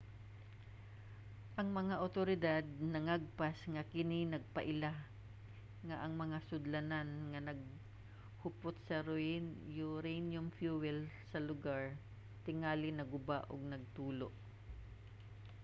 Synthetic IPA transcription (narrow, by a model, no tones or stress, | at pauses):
ʔɐŋmɐŋaʔot̪oɾɪd̪ad̪̚nɐŋaɡ̚pasŋɐkɪninɐɡ̚pɐʔɪla | ŋɐʔɐŋmɐŋasʊd̪lɐnanŋɐnɐɡ̚ | hʊpot̪̚sɐɾʊɪnjʊɾɛjnjʊmfjuwɛlsɐlʊɡaɹ | t̪ɪŋaːlɪnɐɡʊbaʔo̰ɡ̚nɐɡ̚t̪uːloʔ